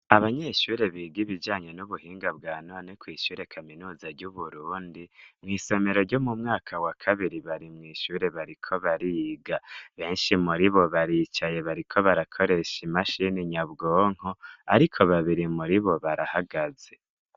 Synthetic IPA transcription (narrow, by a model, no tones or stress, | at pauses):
aβaɲe̞ʃuːɾe̞βiːɡiβid͡ʒaːɲe̞nuβuhiːŋɡab̚ɡaːnonekwiːʃuːɾe̞kʰaminuːzaɾɟuβuɾuːndimŋiːse̞me̞ɾo̞ɾɟo̞mumŋaːkʰawakʰaβiɾiβaɾimŋiːʃuːɾe̞βaɾikʰo̞βaɾiːɡaβe̞ːnʃimuɾiβo̞βaɾit͡ʃaje̞βaɾikʰo̞βaɾakʰo̞ɾe̞ʃimaʃiniɲaβɡoːŋ̥hoaɾikʰo̞βaβiɾimuɾiβo̞βaɾahaɡaz̥e̞